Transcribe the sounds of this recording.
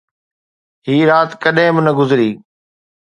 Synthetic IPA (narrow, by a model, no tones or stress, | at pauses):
ɦiːɾaːt̪kəɗɦẽbɪnɐɡʊzɾiː